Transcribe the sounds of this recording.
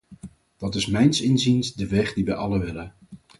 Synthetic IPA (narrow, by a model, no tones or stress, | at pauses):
d̥ɑtɪsmɛjnsɪnzinsdəʋɛχdiʋɛjʔɑləʋɪlə